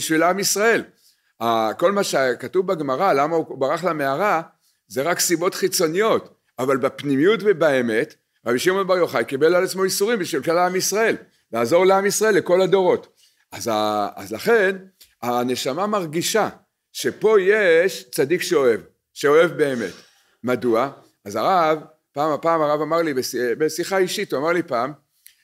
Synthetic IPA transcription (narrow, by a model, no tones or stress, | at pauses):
biʃvilamisʁae̞l | ako̞lmaʃekatuvbaɡmaʁalamaubaʁaχlameaʁa | ze̞ʁaksibo̞tχit͡so̞nijo̞t | avalbapnimijutbebaeme̞t | ʁabiʃimo̞nbaʁjo̞χajkibe̞lalat͡smo̞isuʁimbiʃvilkalaamisʁae̞l | veaːzo̞ʁleamisʁae̞lːeko̞lado̞ʁo̞t | ʔazaa̰zlaχe̞n | ane̞ʃamamaʁɡiʃa | ʃe̞po̞je̞ʃt͡sadikʃeo̞e̞v | ʃe̞o̞e̞vbeːme̞̰t | madua | azaʁav | paːmapaːmaʁavamaʁlibesbesiχaiʃituamaʁlipaːm